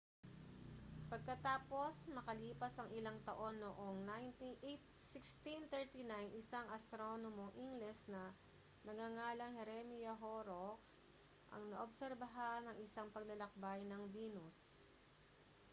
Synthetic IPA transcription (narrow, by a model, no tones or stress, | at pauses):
pɐɡ̚kɐt̪aːpo̞smɐkɐliːpɐsɐŋʔɪlaŋt̪ɐʔo̞nːoʔo̞ŋnajnt̪iʔet̪sɪkst̪int̪ɛɹt̪inajnʔɪsaŋʔɐst̪ɾonomoʔiŋɡlɛsnɐ | nɐɡaŋaːlɐŋhɛɾɛmijɐɦoɾoks | ʔɐ̰ŋnɐʔobsɛɾbɐɦanːɐŋɪsaŋpɐɡ̚lɐlɐk̚bajnɐŋviːnʊs